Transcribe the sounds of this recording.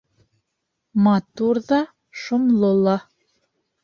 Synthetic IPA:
mɑt̪uɾðɑ | ʃŏmlˠolˠɑ

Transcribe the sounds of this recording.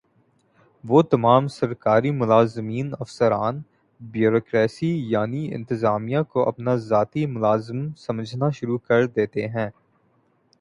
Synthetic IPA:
ʋoːt̪ɐmaːmsɐɾkaːɾimʊlaːzmiːnɐfsəɾaːn | bjuːɾoːkɾɛːsijaːniɪ̰̃nt̪ɪzaːmijakoʔɐ̰pnazaːt̪imʊlaːzəmsɐməd͡ʒʱnaʃʊɾukɐɾd̪eːt̪eɦɛ̃ː

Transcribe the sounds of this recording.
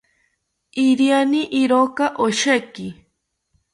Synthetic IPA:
iɾianiʔiɾokaʔoʃeki

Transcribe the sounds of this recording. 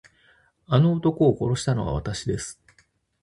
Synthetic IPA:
ano̞ːt̪o̞ko̞ːko̞ɾo̞ɕi̥t̪ano̞βa̰β̞a̰t̪aɕid̪e̞sɨ̥

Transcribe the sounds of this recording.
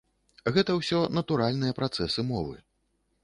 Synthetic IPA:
ɣɛt̪ɐwsʲɔnɐt̪uɾalʲnɨjɐpɾat̪sɛsɨmɔvɨ̰

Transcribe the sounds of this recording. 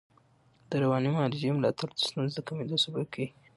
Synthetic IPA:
d̪̥əɾawɑnimɑlid͡ʒemlɑt̪ʰaɾd̪ə̥st̪unzd̪əkamed̪osubakʰaɡi

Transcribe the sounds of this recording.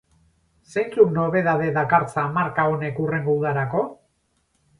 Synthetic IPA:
sejnt͡sukno̞βe̞ðaðe̞ðakaɾt͡saːmaɾkao̞ne̞kure̞ŋɡouðaɾako̞

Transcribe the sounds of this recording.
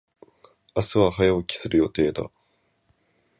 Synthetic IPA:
asɨβaɦajaokʲi̥sɨɾɯ̟jo̞t̪e̞ːd̪a̰

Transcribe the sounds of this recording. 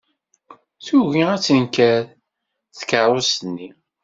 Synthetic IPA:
θuʝiæt͡sːənkæɾ | θkəˤosnːi

